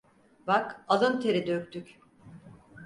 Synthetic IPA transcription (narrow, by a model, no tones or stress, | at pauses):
bakalˠɯnt̪ʰeɾid̪økʲt̪ʰyc